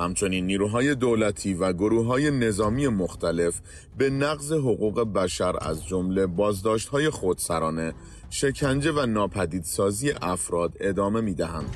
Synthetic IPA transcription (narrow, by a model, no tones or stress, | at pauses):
hæmt͡ʃʰo̞niːnːiːɾuɦɒːje̞d̪olæt̪ʰiːvæɡo̞ɾuːɦɒːje̞ne̞zɒːmiːje̞moxt̪ʰæle̞f | be̞næɣze̞ɦoɣuːɣe̞bæʃæɾæ̰zd͡ʒomle̞bɒːzd̪ɒːʃt̪hɒːje̞xod̪̥sæɾɒːne̞ | ʃe̞cʰænd͡ʒe̞vænɒːpʰæd̪iːd̪̥sɒːziːje̞ʔæfɾɒːd̪e̞d̪ɒːme̞miːd̪æɦænd̪̥